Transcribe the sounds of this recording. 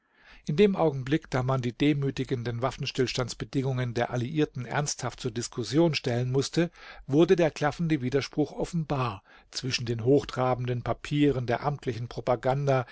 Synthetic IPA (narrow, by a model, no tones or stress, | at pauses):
ʔʔɪndeːmʔaʊɡŋ̩blɪkd̥aːmandiːdeːmyːtɪɡəndənvafn̩ʃtɪlʃtantt͡sb̥ədɪŋʊŋəndeːɐʔaliʔiːɐtn̩ʔɛ̰ɐnsthaft̚t͡suːɐdɪskʰʊsjoːnʃtɛlənmʊstʰəvʊɐdədeːɐkʰl̥afn̩dəviːdɐʃpʁ̥ʊxʔɔfn̩baːɐ | t͡sv̥ɪʃn̩deːnɦoːxd̥ʁaːbn̩dənpʰapʰiːʁ̞əndeːɐʔamtʰlɪçn̩pʁ̥opaɡanda